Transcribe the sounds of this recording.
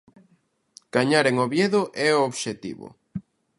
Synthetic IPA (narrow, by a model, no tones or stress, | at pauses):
ɡ̥aɲaɾeŋoβjeðoʔɛooβʃet̪ḭβʊ̰